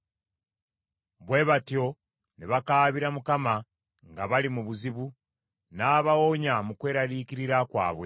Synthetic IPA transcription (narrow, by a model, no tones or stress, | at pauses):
βwe̞βatjo̞ | neβakaːβiɾamukama | ŋɡaβalimuβuziβu | naːβawoɲamukwe̞ːɾalikiɾiɾakwa̰ːβwe̞